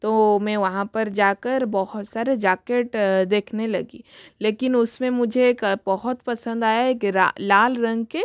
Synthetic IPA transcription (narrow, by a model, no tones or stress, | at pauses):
t̪omɛ̃ʋɐɦãpɐɾd͡ʒaːkɐɾbɔɦʊt̪saːɾed͡ʒaːkeːʈd̪eːkʰnelɐɡḭːleːkɪnʊsmẽmʊd͡ʒʱeːkbɐɦʊt̪pɐsə̃nd̪aːjaeːka̰laːlɾɐ̃ŋɡke